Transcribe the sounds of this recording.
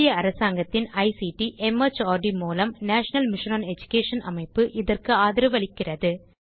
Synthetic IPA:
jɐːɾɐsaːŋɡɐt̪ːɪnɐɪsiʈiʔɛmɐt͡ʃaːɖimuːlɐmnaːʂɐnɐlmɪʂnonɛd͡ʒʊ̥keːʂɐnʔɐ̰mɐɪpːɯʔɪðɐrkɯaːðɪɾɯʋɐɭɪkːɪrɐðɯ

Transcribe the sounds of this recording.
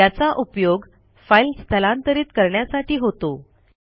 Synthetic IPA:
at͡saʔupjoɡ | failst̪ʰəlãnt̪əɾiːt̪kəɾɳjasaʈiːɦot̪o

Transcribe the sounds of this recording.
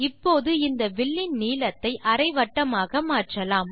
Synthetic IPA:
ɪpːoːðɯɪnd̪ɐʋɪɭːɪnniːlɐt̪ːɐɪʔɐɾɐɪʋɐʈːɐmaːɣɐmaːʈrɐlaːm

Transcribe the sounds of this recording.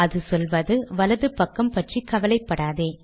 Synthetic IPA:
ɐðɯsɔlʋɐðɯʋɐlɐðɯpɐkːɐmpɐʈrikɐʋɐlɐɪpːɐɽaːðeː

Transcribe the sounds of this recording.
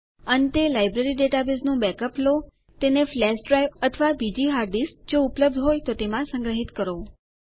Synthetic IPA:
ənt̪elajbɾeɾiɖeʈabesnũbɛkəplo | t̪eneflɛsɖɾajʋət̪ʰəʋabid͡ʒiɦaɾɖisd͡ʒoupləb̚d̪ʱɦojt̪ot̪emãsə̃ŋɡɾəɦit̪kəɾo

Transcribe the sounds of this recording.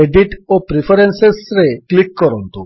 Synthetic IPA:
eɖiʈopɾipʰɔɾensesɾeklikːɔɾɔnt̪u

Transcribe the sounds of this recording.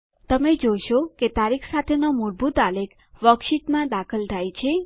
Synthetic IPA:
t̪əmed͡ʒoʃoket̪aɾikʰsat̪ʰenomuɾbut̪alekʰ | ʋəkʃiʈmãd̪akʰəld͡ʒʱajt͡ʃʰe

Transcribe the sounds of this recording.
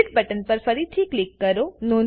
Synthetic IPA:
ɪʈbəʈənpəɾfəɾit̪ʰiːklɪkːəɾonon

